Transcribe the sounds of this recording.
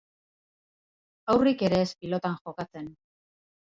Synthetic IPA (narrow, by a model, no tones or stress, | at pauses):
awrike̞ɾe̞ːspilo̞t̪aŋʝo̞kat͡se̞n